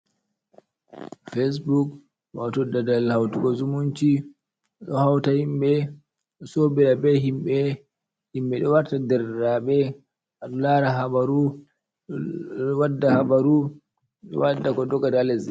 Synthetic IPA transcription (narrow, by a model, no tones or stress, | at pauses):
fes̬buk | watɔdadalhawtukɔzumunt͡ʃi | ɗɔhawtahimɓɛ | ɔsobiɾabɛɦimɓɛ | himɓɛɗɔwaɾtadɛɾːaɓɛ | ʔaɗɔlaɾaɦabaɾu | wadːahabaɾu | ɗɔ̰wadːakɔdɔɡadalɛz